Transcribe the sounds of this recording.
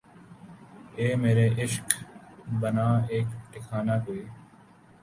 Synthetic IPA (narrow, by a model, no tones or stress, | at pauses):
eːmeːɾeːʔɪʃkbənaːeːkʈɪkʰaːnaːɡoeː